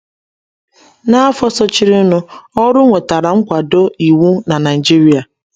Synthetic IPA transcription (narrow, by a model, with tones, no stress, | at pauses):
na˦fɔ˦sɔ˦t͡ʃi˦ɾi˦ʊ˦nʊ˦ɔ˦ɾʊ˦ŋʷe˨ta˨ɾa˨ŋ̩˦kʷa˨do˦i˨wu˦na˨na˨i˨d͡ʒi˦ɾi˦a˨